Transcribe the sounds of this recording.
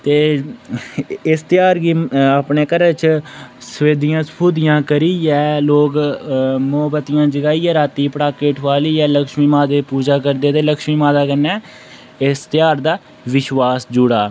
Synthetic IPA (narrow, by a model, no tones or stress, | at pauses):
t̪eː | ɪst̪jaːɾɡiːapɳeːkəɾət͡ʃsəʋeːd̪ɪjãːsəpʰuːd̪ɪjãːkəɾiːɛːloːɡ | moːbət̪ɪjãːd͡ʒəɡaːiːɛːɾaːt̪iːpəɽaːkeːʈʰʋaːliːɛːləkʃmiːmaːd̪eːpuːd͡ʒaːkəɾd̪eːt̪eːləkʃmiːmaːd̪aːkəɾnɛː | ɪst̪ɪjaːɾd̪aː | ʋɪʃʋaːsd͡ʒʊɽaː